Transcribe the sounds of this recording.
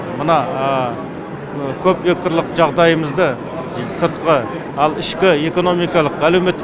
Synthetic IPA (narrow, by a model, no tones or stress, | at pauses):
mənɑə | kʲʰɵpvek̚t̪ɾlˠəqʒɑʁd̪ɑjəməzd̪ə | səɾt̪qə | ɑlˠɪʃkʲɪe̞ko̞no̞mijkɑlˠəqælewmet̪ː